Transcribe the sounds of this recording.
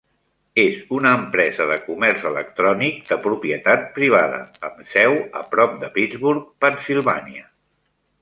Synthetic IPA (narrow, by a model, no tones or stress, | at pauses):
ezunəːmpɾɛzəðəkumɛɾzələ̰k̚t̪ɾɔnik̚d̪əpɾupiət̪at̪̚pɾiβ̞aðə̰ːmsɛwə̰pɾɔp̚d̪əpid̪d͡zβuɾk̚pənsilˠβa̰niə